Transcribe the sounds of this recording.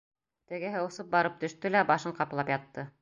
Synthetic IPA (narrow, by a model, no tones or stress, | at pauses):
t̪ɘ̆ɡɘɦɘ̆wusɤp̚bɑɾɤp̚t̪ɵ̆ʃt̪ɵlæbɑʃɤɴqɑp̆lˠɑpjɑt̪ːɤ